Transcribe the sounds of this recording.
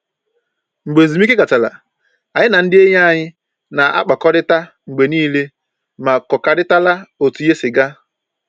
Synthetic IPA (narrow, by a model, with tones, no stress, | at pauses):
ŋ͡m̩˨ɡ͡be˨zi˨mi˦ke˦ɡa˨t͡ʃa˨la̰˨ | a˨ɲɪ˦na˨n̩˦dɪ˦e˦ɲa˦a˨ɲɪ˦ | na˨ʔa̰˦k͡pa˨kɔ˦ɾɪ˦ta˦ | ŋ͡m̩˨ɡ͡be˨niː˦le˦ | ma˨kɔ˨ka˨dɪ˦ta˦la˦o˨tu˨je˦sɪ˨ɡa˦